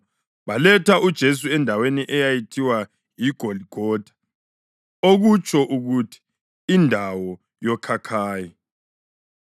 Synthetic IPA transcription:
βalɛtʰaʔud̥ʒ̥ʱes̬uɛndʱaweniʔɛjajitʰiwa | jiɡ̥ʱoliɡ̥ʱɔːd̥ʱḁ | oɣut͡ʃʰʼɔʔuɣutʰi̥ | indʱawɔ | jɔkʰakʰaːji

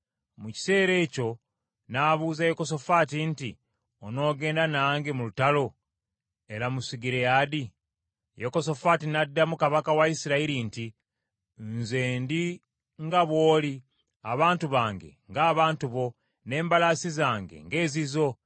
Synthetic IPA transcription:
muci̥se̞ːɾe̞ːco̞ | naβuːzajoko̞s̬o̞faːtinti | ono̞ːɡe̞ːndanaːŋɡemulutalo̞ | e̞ɾamusiɡiɾejadi | joko̞so̞fatinadːamukaβakawaisiɾaiɾinti | nzeːndi | ŋɡaβwo̞ːli | aβaːntuβaːŋɡe̞̰ŋɡaːβaːntuβo̞ | ne̞ːmbalasizaːŋɡe̞̰ŋɡe̞ːzizo̞

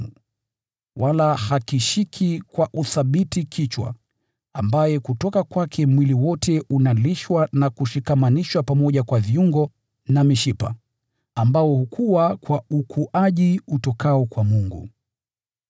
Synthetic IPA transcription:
u | walahakiʃikʰikwaʔuθaɓitikʰit͡ʃwa̰ | ambajɛkutɔkakwakʰɛmwiliwɔtʰɛunaliʃwanakuʃikamaniʃwapamɔʄakwaviuŋɡɔ | namiʃipa̰ | ambaɔhukʰuwakwaukʰuʔaʄiutɔkʰaɔkwamuŋɡṵ

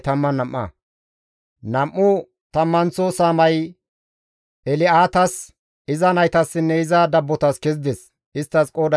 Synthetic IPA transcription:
t̪ɐmːɐnɐmʔːɐ̰ | nɐmːʊ | t̪ɐmːɐnt͡sːɔsaːmɐj | ɛlɪaːt̪ɐs | ɪzɐnɐjt̪ɐsːɪnːɛɪzɐd̪ɐbːɔt̪ɐskɛzd̪ɛs | ɪst̪ːɐskʼoːd̪ɐ

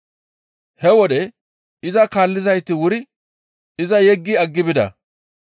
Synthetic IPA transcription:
hɛwɔd̪ɛ | ɪzɐkaːlːɪzɐjt̪ːɪwʊɾɪ | ɪzɐjɛɡːiɐɡːɪbɪd̪ɐ̰

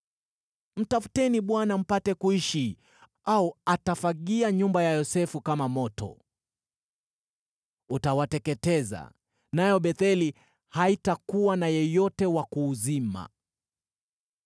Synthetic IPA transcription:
m̩tafu̥tɛniɓwanam̩patɛkuiʃi | auatafaɠiaɲumbajajɔsɛfukamamɔtɔ̰ | utawatɛkɛtɛza̰ | najɔɓɛθɛli | haitakuwanajɔjɔtɛwakuːzima̰

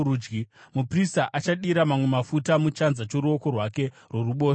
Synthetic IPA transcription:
uːd͡ʒɡimupristaʔat͡ʃaɗiɾamamwe̞mafutamut͡ʃanzat͡ʃoɾuo̞ko̞rwake̞ | rwo̞ruɓo̞ː

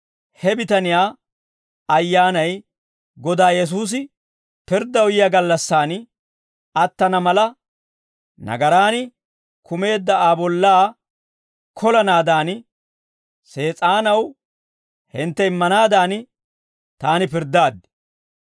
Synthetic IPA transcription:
hɛbɪt̪ɐnɪjaː | ɐjːaːnɐj | ɡɔd̪aːjɛs̬uːs̬ɪ | pɪɾd̪ːɐwjɪjaɡɐlːɐsːaːn | ɐt̪ːɐnɐmɐlɐ | nɐ̰ɡɐɾaːnɪ | kʊme̞ːd̪ːɐaːbɔlːaː | kʰɔlɐnaːd̪aːn | se̞ːt͡sʼaːnɐw | hɪnt̪ːɛɪmːɐnaːd̪aːnɪ | t̪aːnɪpɪɾd̪aːd̪ɪ̥

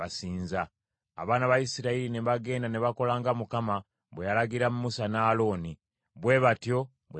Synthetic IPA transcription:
asiːnza̰ː | βaːnaβajisiɾaiɾineβaɡe̞ːndaneβako̞laːŋɡamukama | βwejalaɡiɾamumusanaːlo̞ːni | βwe̞βatjo̞ | βwe

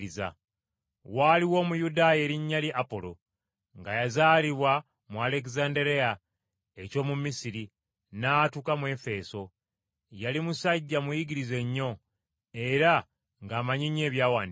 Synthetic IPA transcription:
iza̰ | waliwo̞ːmujudaːje̞ːɾiɲːaliʔapo̞lo̞̰ | ŋɡajazaːliβwa | muale̞k̬zandeɾe̞ja | eco̞ːmumisiɾi | naːtukamwe̞fe̞so̞ | jalimusaɟːamujiɡiɾize̞ɲːo̞ | e̞ɾa | ŋɡaːmaɲiɲːe̞ːβjaːwaːnd

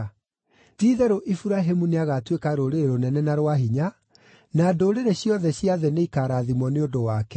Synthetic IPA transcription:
diðɛɾoʔifuɾaɦemuneaɣatwekaɾoɾeɾeɾonɛnɛnaɾwaɦiɲa | nadoɾeɾeɕjɔðɛɕjaðɛneikaːɾaðimwɔneondowaːkɛ

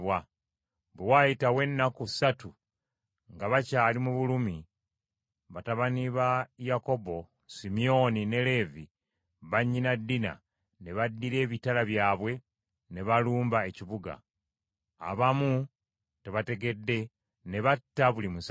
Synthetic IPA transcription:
βwa | βwewajitawe̞nːakusatu | ŋɡaβacaːlimuβulumi | βataβaniβajako̞bo | simijo̞nine̞le̞vi | βaɲːinadːina̰ | ne̞βadːiɾe̞ːβitalaβjaːβwe̞ | ne̞βaluːmbae̞ciβuɡa̰ː | βamu | te̞βate̞ɡe̞dːe̞ | ne̞βatːaβulimus

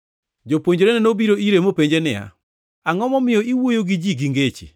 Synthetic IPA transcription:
d͡ʒopwoɲd͡ʒoɾenɛnobiɾoiɾemopeɲd͡ʒenɪja̰ | aŋɔmɔmɪjɔiwojoɡid͡ʒiɡiŋɡet͡ʃḭ

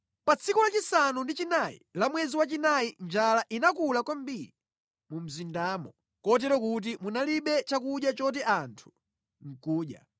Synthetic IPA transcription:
pat͡sʰikɔlat͡ʃisanundit͡ʃinaḭlamwɛziwat͡ʃinaind͡ʒalaʔinakulakwam̩biɾi | mum̩zindaːmɔ | kɔt̬ɛɾɔkut̬imunaliɓɛt͡ʃakuɗjat͡ʃɔt̬iʔantʰu̥ | ŋ̩kuːɗja̰

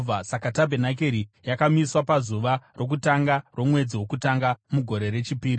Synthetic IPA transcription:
asakatabʱenak̬eɾijakamiswapazuʋaro̞k̬utaŋɡarwo̞mwe̞d͡ziwo̞kutaŋɡamuɡʱo̞ɾe̞ɾe̞t͡ʃipiːɾi

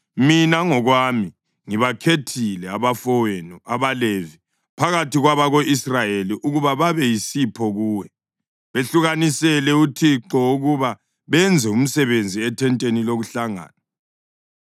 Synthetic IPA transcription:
minaŋɔɣwami | ŋiβakʰetʰilɛaβafɔwenuaβalevi | pʰaɣatʰiɣwaβaɣoʔisrajeliʔuɣuβaβaβɛjisipʰɔɣuːwɛ | βeɬuɣanisɛlɛutʰiǁɔuɣuβa | βɛnd͡zʱɛum̩sɛβend͡zʱiɛtʰɛntʼeniloɣuɬaŋa̰ːna

